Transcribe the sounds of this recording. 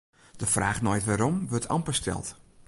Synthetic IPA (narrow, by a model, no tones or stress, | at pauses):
d̥əfraːxnɔjtʋaːɾɔmʋøtʰɑ̰mpəstʰɛ̰lˠt